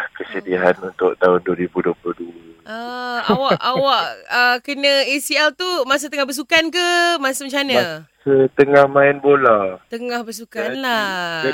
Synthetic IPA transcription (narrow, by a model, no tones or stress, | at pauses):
kəsədiaɦanunt̪ʊʔt̪aɦʊnduəɾibudopluhduəaawaʔawaʔəkənə̃isialt̪umas̬ət̪əŋahbəs̬ukankəmasəməɲt͡ʃanəsət̪əŋahmaɪnbolat̪əŋahbəsukanla